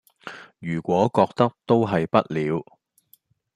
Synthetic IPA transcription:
jyː˨˩kʷɔː˨˥kɔː˧k̚t̪ɐ˥k̚t̪o˥wɦɐ˨jpɐ˥t̚liː˨˧w

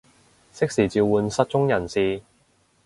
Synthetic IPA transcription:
sɪ˥k̚siː˨˩t͡siː˨˧wwuː˨˧nsɐ˧t̚t͡ʃʊ˥ŋjɐ˨˩nsiː˨

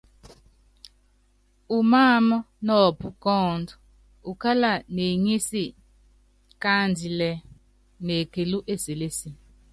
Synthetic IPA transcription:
u˨maː˦˨mɔ˦ | nɔ˦˨pu˨kɔː˦˨ndɔ˨ | u˨ka˦la˨ne˨ɲi˦si˦˨ | ka˦ndi˨lɛ˨ | ne˨ke˨lu˦ʔe˦˨se˨le˦si˨

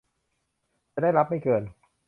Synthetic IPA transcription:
t͡ɕa˧˩da˥˩jɾa˦˥p̚ha˥˩jkɤː˧˩n

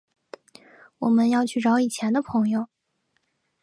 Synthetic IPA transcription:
wɔ˨˩mə˧˦njɑ˥˧ʊt͡ɕʰy˥˩ʈ͡ʂɑ˧˥ʊi˨˩t͡ɕʰjɛ˧˥nd̪ə˧pʰɤ˧˥ŋjo˧ʊ

